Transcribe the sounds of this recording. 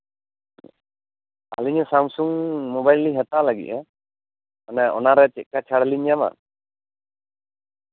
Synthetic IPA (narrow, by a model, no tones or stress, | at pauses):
a̰liɲasamsuŋmɔbajliɦat̪alaɡḭc̚ɛ | anaɔnaɾɛt͡ʃɛʔ̚kat͡ʃʰaɽliɲjama̰